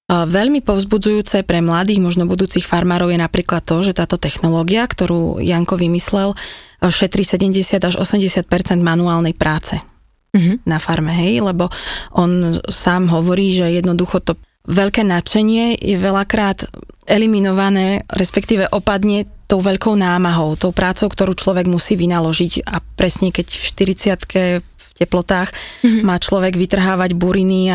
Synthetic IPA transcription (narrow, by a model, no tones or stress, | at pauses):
ʋɛʎmipɔʊzbud͡zujuːt͡sɛpɾɛmlad̪iːɣmɔʒnɔbud̪uːt͡siːxfaɾmaːɾɔʊjɛnapɾiːklat̪ːɔʒɛt̪aːt̪ɔt̪ɛxnɔlɔːɡiakt̪ɔɾṵːjaŋkɔʋimislɛlʃɛt̪ɾisɛɟɛmɟɛsɪad̪aʒɔ̰sɛmɟɛsɪat̪̚pɛɾt͡sɛnd̪manuaːlnɛjpɾʔaːt͡sɛ | ɦnafaɾmɛɦɛjlɛbɔʔɔnsaːmɦɔʋɔɾiːʒɛjɛd̪nɔd̪uxɔt̪ɔ | ʋɛʎkɛːnat͡ʃɛɲɪɛjɛʋɛlakɾaːt̪ɛliminɔʋanɛːɾɛspɛkt̪iːʋɛʔɔpad̪ɲɛt̪ɔʊʋɛʎkɔʊnaːmaɦɔʊt̪ɔʊpɾaːt͡sɔʊkt̪ɔɾuːt͡ʃlɔʋɛɡmusiːʋinalɔʒicapɾɛsɲɛkɛcfʃt̪iɾit͡sɪat̪kʰɛ | fcɛplɔt̪aːxmaːt͡ʃlɔʋɛɡʋit̪r̩ɦaːʋaɟbuɾinia